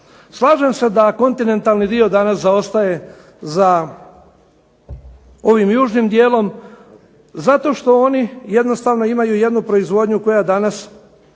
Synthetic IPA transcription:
slˠaːʒemse̞d̪ako̞nt̪ine̞nt̪alˠnid̪io̞d̪anaszao̞st̪aje̞ | za | o̞ʋimjuːʒnimd̪je̞ːlo̞m | zat̪o̞ʃt̪o̞o̞nijed̪no̞st̪aːʋno̞imajuje̞d̪nupɾo̞izʋo̞d̪ɲuko̞jad̪anas

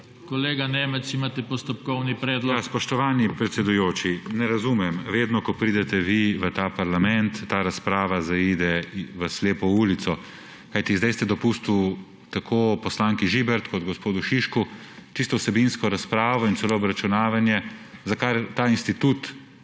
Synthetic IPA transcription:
kɔleːɡanɛmɛt͡s̪imaːt̪ɛpɔst̪ɔp̚kɔwnipɾɛːd̪lɔjaspɔʃt̪ɔʋaːnipɾɛt̪sɛd̪ujoːt͡ʃinɛɾazumɛmʋeːd̪nɔkɔpɾiːd̪ɛt̪ɛʋiʋət̪aːpaɾlamɛnt̪ːaːɾaspɾaːʋazaiːd̪ɛʋəsleːpɔuːlit̪sɔ | kajt̪izd̪ajst̪ɛd̪ɔpust̪u | t̪akʰopɔslaːŋkiʒibɛɾt̪kɔd̪ɡɔspoːd̪uʃiʃkut͡ʃist̪ɔwsɛbinskɔɾaspɾaːʋɔint̪sɛloːbɾat͡ʃunaːʋanjɛzakaɾt̪aːinst̪it̪uːt̪

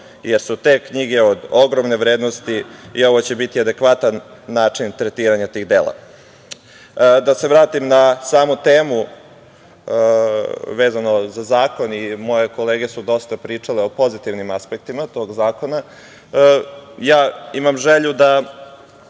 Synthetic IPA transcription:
jeɾsut̪e̞kɲiɡe̞od̪o̞ɡɾomne̞ʋɾeːd̪nost̪iio̞ʋot͡ɕe̞bit̪iad̪e̞kʋat̪anːaːt͡ʂint̪ɾet̪iːɾaɲat̪iːɣd̪eːla̰ | d̪ase̞ʋɾaːt̪imnasaːmut̪eːmu | ʋe̞ːzano̞zazaːko̞nimo̞je̞ko̞leːɡesud̪o̞st̪apɾiːt͡ʂaleopo̞zit̪iʋnimaspek̚t̪imat̪o̞ːɡzaːko̞na | jaːimamʒeʎud̪a

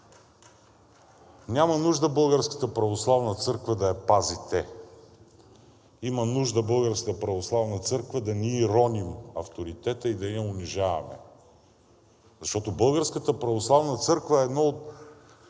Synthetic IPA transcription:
nʲamɐnuʒd̪əbɤlˠɡəɾskə̥t̪əpɾɐvoslˠavnət̪sɤɾkvəd̪ɐɐpazit̪ɛ | imɐnuʒd̪ɐbɤlˠɡəɾskət̪əpɾɐvoslˠavnɐt̪sɤɾkvəd̪ɐniɛɾɔnimɐft̪oɾit̪ɛt̪əid̪ɐɐʊnʲiʒavɐ̰mɛ̰ | zɐʃt̪ɔt̪obɤlˠɡəɾskət̪əpɾɐvoslˠavnət̪sɤɾkvɐɛːd̪nɔot̪

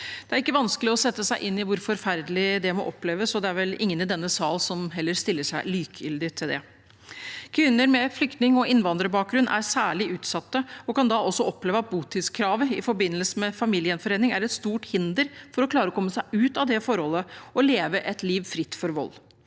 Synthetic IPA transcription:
d̪̥ɛæɾɪkːəʋɑnskəlɪɔsɛt̪ːəsæɪʔɪnːɪʋʊɾfɔɾfæɾd̪əlɪd̪ɛmɔ̰ʔɔpːleːʋəsɔd̪ɛæɾʋɛlɪŋːənɪd̪ɛnːəsɑːlsɔmɦɛlːəɾst̪ɪlːəʂæɪlyːkʰjʏ̰ld̪ɪt̪ʰɪld̪ɛ | kʰʋɪnːəɾmɛflʏkt̪nɪŋɔɪnʋɑnd̪ɾəbɑːk̚ɡɾʉnːʔæ̰ɾsæːɭɪʉːt̪sɑt̪ːəɔkɑnd̪ɑɔsːɔɔpːleːʋəɑt̪̚buːt̪ʰiːd̪skʰɾɑːʋəɪ̰fɔɾbɪnːəlsəmɛfɑmiːlɪənfɔɾeːnɪŋæɾɛt̪st̪uːʈhɪnd̪əɾfɔɾɔkʰlɑːɾəɔkʰɔmːəsæɪʔʉːt̪ɑʋd̪ɛfɔɾhɔlːəɔleːʋəʔɛt̪liːʋfɾɪt̪ːfɔɾʋɔ̰lː

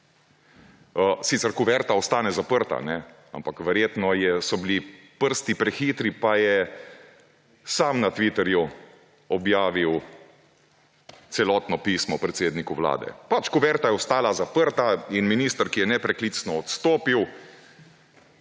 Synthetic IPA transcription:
əsiːt̪sɛɾkubɛɾt̪aɔst̪aːnɛzapəɾt̪a̰nɛ | a̰mpakʋɛɾjeːt̪nɔjɛsɔbilipəɾst̪ipɾɛxiːt̪ɾipajɛ | saːmnat̪ʋit̪ɛɾju | ɔbjaːʋiw | t̪sɛlɔːt̪nɔpiːsmɔpɾɛt̪seːd̪nikuʋla̰ːd̪ɛ̰pat͡ʃkubɛɾt̪ajɛɔst̪aːlazapəɾt̪ainminiːst̪əɾkijɛnɛpɾɛklit̪snɔɔt̪st̪oːpiw

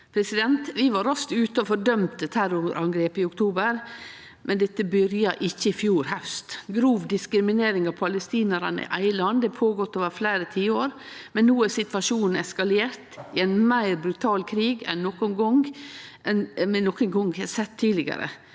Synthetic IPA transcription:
pʰɾɛsɪd̪ɛnt̪ʋɪʋɑɾɑst̪ʉːt̪əɔfɔɖœmt̪̚ət̪ʰæɾʊɾʔɑŋɡɾeːpɪʊkt̪ʰuːbəɾ | mʔɛnd̪ɛt̪ːəbʏɾjɑʔɪçːəɪfjuːɾhɑʉst̪ɡɾuːʋd̪ɪskɾɪmɪneːɾɪŋɑʋpʰɑləst̪iːnəɾɑnəɪ̰ʔæɪlɑnd̪ɛpʰoːɡɔt̪ːoːʋəɾfleɪɾət̪ʰiːəoːɾ | mɛnːuːæɾsɪt̪ʋɑʂuːnn̩ɛskɑleːɾt̪ɪɛnmæɪɾbɾʉt̪ʰɑːlkʰɾiːɡɛ̰nːɔkʊnɡɔŋɛnmɛnɔkənɡɔŋʋhɛsɛt̪ʰːiːlɪɡə̰ɾə̰

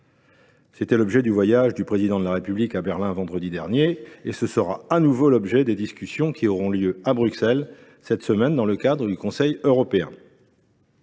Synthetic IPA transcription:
set̪ɛlɔbʒɛd̪yvwajaʒd̪ypχezid̪ɑ̃d̪əlaʁepyblikabɛʁlɛ̃vɑ̃d̪ʁəd̪id̪ɛʁnjeesəsəʁaanuvolɔbʒɛd̪ed̪iskʲysjɔ̃kʲʰiɔʁɔ̃ljøabʁyksɛl | sɛt̪səmɛnd̪ɑ̃ləkad̪ʁəd̪ykɔ̃sɛjøʁɔpeɛ̰̃

